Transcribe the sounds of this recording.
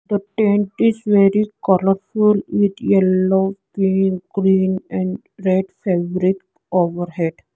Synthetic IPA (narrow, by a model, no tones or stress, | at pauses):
d̪əʈẽɳʈɪzʋeɾikɔləɾfulʋɪd̪jɛloːkĩnɡ̥ɾiːnɛ̃ɳɖ | ɾeɖfeʋɾik | oːʋəɾheɖ